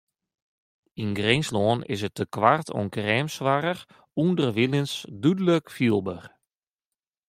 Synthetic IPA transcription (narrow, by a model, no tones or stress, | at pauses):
inɡrɪnslɔːnɪ̰sətəkʋartʰɔ̰nkrɛːmsʋaɾər | undərʋilˠənsdydələkfiəlˠbər